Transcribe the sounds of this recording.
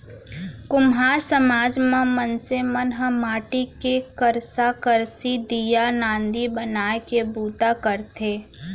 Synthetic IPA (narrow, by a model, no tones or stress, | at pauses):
kʊmɦaːɾsəmaːd͡ʒmẽmənsemənɦəmaːʈikekəɾsakəɾsid̪ijanãːnd̪ibənaːekebuːt̪akəɾt̪ʰeː